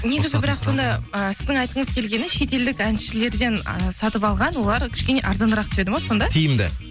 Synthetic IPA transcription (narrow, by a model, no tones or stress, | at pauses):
ne̞ɡʲɪzɪbɪɾɑqso̞nd̪ɑəsɪzd̪ɪŋɑjt̪əɴəzkʲʰe̞lɡʲe̞nɪʃe̞t̪e̞ld̪ɪkænʃɪle̞ɾd̪e̞nəsɑt̪əpɑlˠʁɑnwo̞lˠɑɾkʲʰɪ̥ʃkʲe̞ne̞ʔɑɾd̪ɑnd̪əɾɑqt̪ʏ̥ʃe̞d̪ɪmoso̞nd̪ɑt̪ʰijɪmd̪ɪ̰